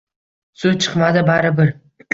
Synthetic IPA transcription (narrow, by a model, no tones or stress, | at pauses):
sut͡ʃʰɨ̥qmad̪ɪbaɾɪbɪɾ